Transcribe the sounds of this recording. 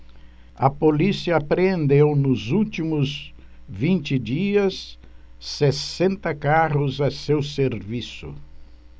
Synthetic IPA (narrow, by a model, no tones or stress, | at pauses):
ɐpolisiɐpɾeẽnd̪ewnʊzuwt͡ʃ̪imʊzvĩnt͡ʃɪd͡ʒiɐsː | esẽnt̪ɐkaʁʊzɐsewseɾvisʊ